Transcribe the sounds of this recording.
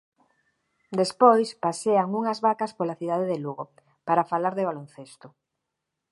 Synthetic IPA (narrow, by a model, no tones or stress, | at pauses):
d̪espojspaseaŋuŋazβakaspoɾlaθiðaðeðeluɣ̞o | paɾafalaɾðeβ̞alon̟θest̪o